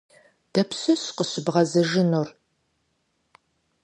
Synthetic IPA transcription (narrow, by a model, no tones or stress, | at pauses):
d̥ɐpsɨsqəɕɪbʁɐzɐʒɪnur